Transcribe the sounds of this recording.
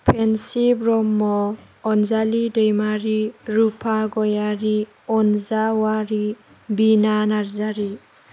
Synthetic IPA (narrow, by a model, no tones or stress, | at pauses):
pʰensibɾɔmːɔː | nzalidejmaɾiɾupʰaɡɔjaɾi | ɔnzawaɾi | binanaɾzaɾi